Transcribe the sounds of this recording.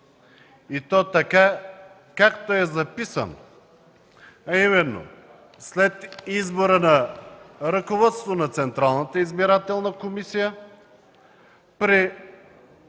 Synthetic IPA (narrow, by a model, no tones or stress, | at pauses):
it̪ɔt̪ɐka | kakt̪oɛzɐpisə̰no | ɐimɛnːo̰ | slɛt̪izboɾənɐ | ɾəkovɔt̪st̪onɐt̪sɛnt̪ɾalˠnət̪əizbiɾat̪ɛlˠnəkomisijə | pɾi